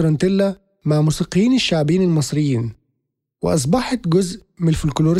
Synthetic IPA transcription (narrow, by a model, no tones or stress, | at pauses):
ɾˤɑnt̪ɪlːæ | maʕmuːsiːqijːiːnɪʃːaʕbiːnɪlmɑsˤɾɪjːiːn | wɪ̰ʔɑs̬ˤbɑħɑt̪ɡʊzʔmɪlfʊlkloːɾ